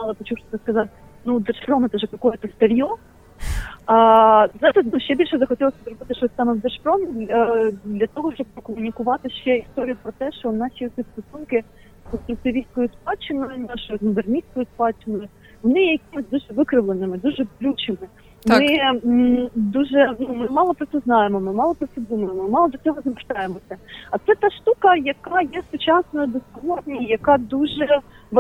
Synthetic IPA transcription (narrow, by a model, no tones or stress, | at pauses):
mɑlˠɐpɔt͡ʃuʃt̪ɔt̪ɪskɐzɑtʲ | nud̪ɛrʃpɾɔmɪt̪ɛʒɛkɐkɔjɛt̪ɐst̪eɾʲjɔ | azɑt̪ɐsʲnuʃt͡ʃɛbʲilʲʃɛzɐxɔtʲilˠɐsʲɐzɾɔbɪt̪ɪʃɔsʲt̪ɑmɛwd̪erʃpɾɔmʲid̪ʲɐd̪lʲɐt̪ɔɦɔʃt͡ʃɔb̚pɔkɔmʊnʲikʊʋɑt̪ɪʃt͡ʃɛist̪ɔɾʲijʊpɾɔt̪ɛʃt͡ʃɔnɑʃʲiɔt̪ʲsʲist̪ɔsunkɪ | ɔt̪ʲiwt̪ɪʋʲisʲkɔjʊspɑt͡ʃɪnʊjɪnɑʃɔjʊmʊb̪ernʲisʲkɔjʊspɑt͡ʃɪnʊjɪ | ʋɔnɪjɛjɐkʲɪmɪzʲd̪uʒɛʋɪkɾɪʋlˠenɪmɪd̪uʒɛblʲut͡ʃɪmɪ | mɪ | d̪uʒɛnumɪmɑlˠɔpɾɔt̪ɛznɑjemɔmɪmɑlˠɔpɾɔt̪ɛd̪umɐjemɔmɑlˠɔd̪ɐt͡sʲɔɦɔzɐmert̪ɑjemɔsʲɐɐt̪sɛt̪ɑʃt̪ukɐjɐkɑjɛsʊt͡ʃɑsnɔjɐd̪ɔspɔlˠɔd̪ʲnʲijɐkɑd̪uʒɛʋɐ